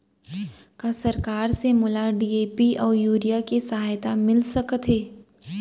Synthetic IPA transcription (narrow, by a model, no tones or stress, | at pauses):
kasɐɾkaːɾsemʊlaɖiːeːpiʔɔːɾjuːɾijakesɐɦaːjt̪amɪlsɐkt̪ɦeː